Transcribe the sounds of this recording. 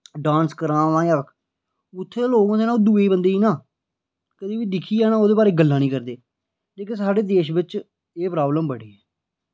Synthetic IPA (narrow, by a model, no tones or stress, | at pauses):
ɖãːnskəɾãːʋãːjaəkʰ | ʊt̪ʰːeːloːɡãːd̪eːnaːoːd̪uːeːbənd̪eːiːnãː | kəd̪iːʋiːd̪ɪkʰiːɛːnaːoːd̪eːbaːɾeːɡəlːãːnĩːkəɾd̪eː | leːk̬ɪsaːɖeːd̪eːʃbɪt͡ʃ | eːpɾaːbləmbəɽeːɛː